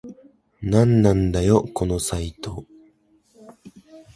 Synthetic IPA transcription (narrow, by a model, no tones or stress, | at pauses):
nãnːãnd̪ajo̞ko̞no̞sait̪o̞